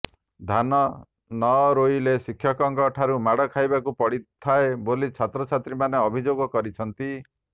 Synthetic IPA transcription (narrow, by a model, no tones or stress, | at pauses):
d̪ʱanɔ | nɔɾojlesikʰːjɔkɔŋɡɔʈʰaɾumaɽɔkʰajbakupɔɽit̪ʰːaebolit͡ʃʰat̪ɾɔt͡ʃʰat̪ɾimaneɔbʱid͡ʒoɡɔkɔɾit͡ʃʰɔnt̪i